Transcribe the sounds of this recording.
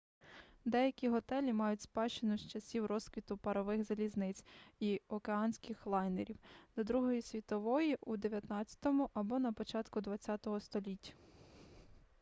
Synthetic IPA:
d̪ɛjɐkʲiɦɔt̪ɛlʲimɑjʊtʲspɑʃt͡ʃenʊst͡ʃɐsʲiwɾɔskʋʲit̪ʊpɐɾɔʋɪxzɐlʲiznɪt͡sʲiɔkeɑnʲsʲkɪxlˠɑjneɾʲiwd̪ɐd̪ɾuɦɔjisʲʋʲit̪ɔʋɔjiʔud̪eʋʲjɐt̪nɑtt͡sʲɐ̥t̪ɔmʊʔɐbɔnɐpɔt͡ʃɑt̪kʊd̪ʋɐtt͡sʲːɑt̪ɔɦɔst̪ɔlʲitʲːɐ̥

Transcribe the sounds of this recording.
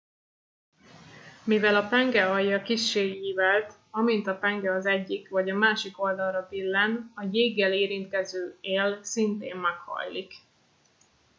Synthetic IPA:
mivɛlɒpɛŋɡɛɒjːɒkiʃːeːjiːvɛlt̪ | ɒmint̪ɒpɛŋɡɛɒzɛɟːikvɒɟɒmaːʃiko̞ld̪ɒlrɒbilːɛnɒjeːɡːɛleːɾint̪kɛzøːeːlsint̪eːmːɛkhɒ̰jlik

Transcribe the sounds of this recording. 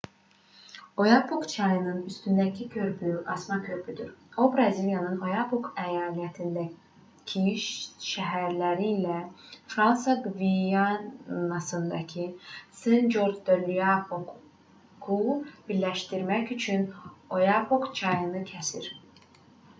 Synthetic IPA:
o̞jɑpʰokt͡ʃʰɑjɯnɯnyst̪ynd̪æcʰicʰø̞ɾbyʔɑsmɑcʰø̞ɾbyd̪yɾo̞bɾɑziljɑnɯno̞jɑpʰokʰæjɑːlæt̪ʰind̪æ | cʰiʃʃæɦæɾlæɾilæfɾɑnsɑɡvijɑnɑsɯnd̪ɑ̰cʰisend͡ʒoɾd̪d̪ølyjɑpok | kʰub̥iɾlæʃt̪iɾmæcyt͡ʃʰyno̞jɑpʰokt͡ʃʰɑjɯnɯcʰæsḭɾ

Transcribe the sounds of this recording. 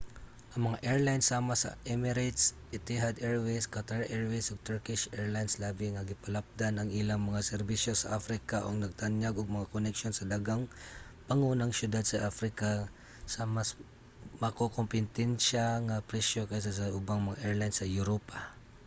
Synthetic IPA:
ʔɐŋmɐŋaʔɛɹlajnsːaːmasɐ̰ʔɛmɪɾat̪sʔɪt̪ɪɦad̪ɛɹweskat̪aɹʔɛɹwesoɡ̚t̪ɛɹkɪʃɛɹlajnslaːbɪŋɐɡɪpɐlap̚d̪anɐŋɪlaŋmɐŋasɛɾbiʃjosɐ̰ʔafɾɪkaʔoɡnɐɡ̚t̪anjaɡoɡ̚mɐŋakonɛkʃonsɐd̪aɡaŋpɐŋuːnɐŋsjʊd̪ad̪̚sɐʔafɾɪka | samas | mɐkokompɪnt̪ɛnʃaŋapɾɛʃokajs̬asɐʔʊbaŋmɐŋaʔɛɹlajnsːɐjʊɾopa

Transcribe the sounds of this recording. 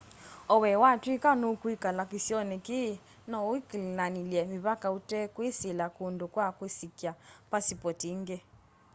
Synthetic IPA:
ɔwɛwatwikanukwikalakisjɔnɛki | nɔwiklnaniljɛmiβakautɛkwisilakundokwakwisikjapasipɔtiŋɡɛ

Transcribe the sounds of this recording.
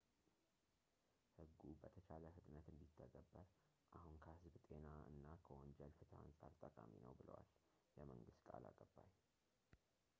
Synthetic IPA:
hɨɡːubət̪ʰət͡ʃaləhɨt̪ʼnət̪ɨnd̪it̪ʰːəɡʼəbːəɾ | ʔahunkʰəhɨzbt̪ʼe̞naɨ̰nːakʰəwɔnd͡ʒɛlfɨt̪ʰaansʼaɾt̪ʼəkʼaminə̰wbɨlə̰wal | jɛməŋɡɨst̪kʼala̰kʼəbːaj

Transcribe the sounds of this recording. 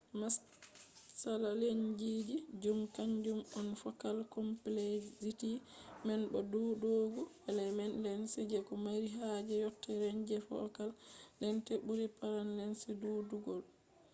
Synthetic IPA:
mas | salaleɲd͡ʒid͡ʒid͡ʒumkaɲd͡ʒumɔnfɔkalkɔmplesitimɛnbɔduːdoɡu | alɛmɛnlɛnsid͡ʒɛkɔmaɾiɦad͡ʒɛjɔtːɛɾɛɲd͡ʒɛfɔ̰kaldɛntebuɾipaɾanlɛnsiduːduɡɔl

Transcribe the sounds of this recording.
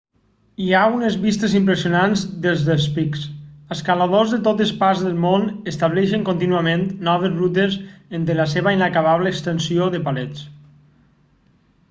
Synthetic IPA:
iaunezβist̪ezimpɾesiunanzd̪əlˠzðəlˠspiksəskalaðozðət̪ot̪əspazðəlˠmonest̪aβ̞lɛʃəŋkont̪inuəment̪nɔβezrut̪ezend̪əlaseβəinakaβaβləːkst̪ənsioðəpalɛt͡s

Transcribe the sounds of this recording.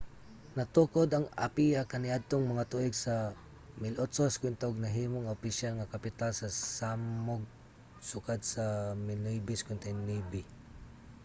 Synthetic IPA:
nɐt̪ukod̪ɐŋa̰piakɐnɪʔad̪̚t̪oŋmɐŋat̪uʔɪɡsɐ | mɪlʔot̪soskwɪnt̪aʔoɡ̚nɐɦiːmʊŋʊpɪʃalŋakɐpɪt̪alsɐsaːmoɡ̚ | sʊkad̪̚sɐmɪnujbɪskʊnt̪ajnibɪ

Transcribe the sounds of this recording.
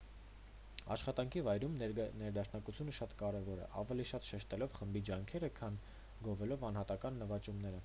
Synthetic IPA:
ɑ̰ʃχɑt̪ɑŋkʰivɑjɾumnɛɾd̪ɑʃnɑkut͡sʰjunəʃɑt̪kɑɾɛvɔɾɛ̰ʔɑ̰vɛliʃɑt̪ʃɛʃt̪ɛlɔvχəmbid͡ʒɑŋkʰɛɾəkʰɑn | ɡɔvɛlɔvɑn̪hɑt̪ɑkɑnːəvɑt͡ʃumnɛɾə

